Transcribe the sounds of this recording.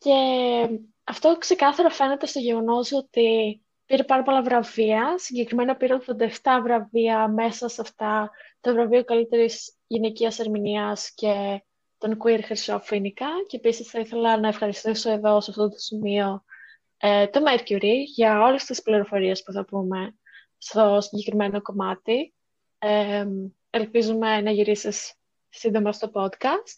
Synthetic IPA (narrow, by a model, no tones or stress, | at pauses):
ce̞ | ɐft̪o̞kse̞kɐθɐɾofe̞net̪e̞st̪o̞ʝe̞ɣo̞no̞zo̞t̪i | piɾepɐɾɐpo̞lɐvɾɐviɐsiɲɟe̞kɾime̞nɐpiɾepove̞nd̪ɐeft̪ɐvɾɐviɐme̞sɐsɐft̪ɐt̪ovɾɐviokɐlit̪e̞ɾiz | ʝine̞ciɐse̞ɾminiɐsce̞ | t̪o̞nkuiɾxɾisofinikɐceepisisθɐiθe̞lɐnɐe̞fxɐɾist̪iso̞e̞ðo̞sɐft̪ot̪o̥simio̞ | et̪o̞meɾcuɾiʝɐo̞lest̪ispliɾo̞fo̞ɾie̞spuθɐpume̞ | st̪o̞siɲɟe̞kɾime̞no̞ko̞mɐt̪i | e | e̞lpizume̞nɐʝiɾisisː | ind̪o̞mɐfot̪o̞po̞d̪kɐst̪̚